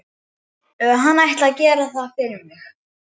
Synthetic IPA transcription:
ɦanːajht̪laðcɛːɾaθafɪɾɪmɪx

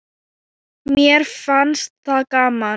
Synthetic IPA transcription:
mjɛɾ̥fanst̪̚θakaːma

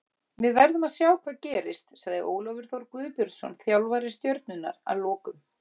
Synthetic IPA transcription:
vɪðvɛɾðʏmaðsjaːwkʰvaːðcɛːɾɪst̪saɣðɪ̰ʔoːwlɔvɪɾ̥θɔɾkvʏːðpjʏɾt̪sɔ̰nθjawlvaɾɪst̪jœɾt̪̚nʏnːa̰ɾa̰ðlɔːkʏm

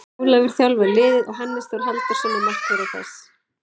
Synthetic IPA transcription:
lœɣʏɾ̥θjawlvalɪːðɪðɔɣɦanːɪst̪ɔɾ̥ɦalt̪ʏ̥sɛːnamahk̪vɪɾɪ̥θɛ̰s

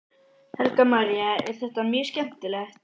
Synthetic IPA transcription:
hɛlkamaɾijaɛɾ̥θɛht̪amjɛ̥scɛm̥t̪ɪlɛxt̪̚

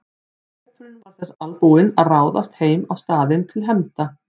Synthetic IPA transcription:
ɛt̪ɾɪnvaɾ̥θɛsalpuːɪnaðraːwða̰st̪heːjmawst̪aːðɪnt̪ʰɪlɦɛmt̪a

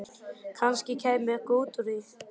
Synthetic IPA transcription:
kʰanscɪcʰɛːjmɪkoːwt̪ɾiθ

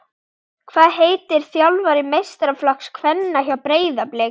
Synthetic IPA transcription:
kʰvaːðɦeːjt̪ɪɾ̥θjawlvaɾɪmejst̪ɾaflakskʰvɛnːaçawpɾeːjðaplɛː

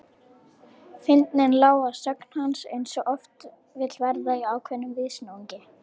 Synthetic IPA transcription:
fɪnt̪nɪnlaːwasœkn̥hansejnsɔʔɔft̪ | vɪt̪lvɛɾðaiaːwkʰvɛnːʏmvɪːsnauɲcɪ

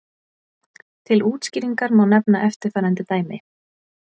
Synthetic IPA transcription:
t̪ʰɪluːt̪sciːɾiŋkaɾmaːwnɛpnaʔɛft̪ɪɾ̥θaɾɛnt̪ɪt̪aːjmɪ

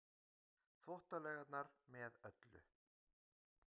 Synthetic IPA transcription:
θvɔht̪alɛːɣat̪naɾmɛðœt̪lʏ̰

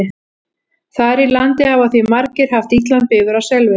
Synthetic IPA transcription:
ɪ | θaɾilant̪ɪhavaθvimaɾcɪɾ̥ɦaft̪it̪lant̪pɪːɣʏɾawsɛlvʏ

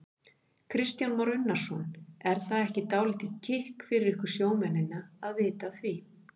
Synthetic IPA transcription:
kʰɾɪst̪janmɔɾʏnːaɾ̥sɔnɛɾ̥θaðɛhcɪt̪aːwlɪt̪ɪðc̪ʰɪhkfɪɾɪɾɪhkʏɾ̥sjoːwmɛnːɪnːaaðvɪːt̪aθvi

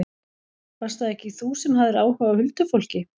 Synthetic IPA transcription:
fast̪aðɛhcɪθusɛmɦaðɪɾaːwhœvawhʏlt̪ʏfowl̥cɪ

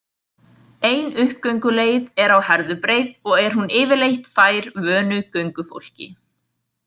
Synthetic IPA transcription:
eːjnʏhkːœɥŋkʏleːjðɛɾawhɛɾðʏpɾejðɔɣɛɾ̥ɦunɪːvɪɾlejht̪faːjɾvœːnʏcœɥŋkʏfo̰wl̥cɪ̰

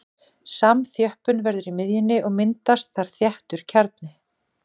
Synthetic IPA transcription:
samθjœhpʏnvɛɾðʏɾimɪðjɪnːɪʔɔɣmɪnt̪ast̪θaɾ̥θjɛht̪ʏɾ̥cʰaɾt̪nɪ

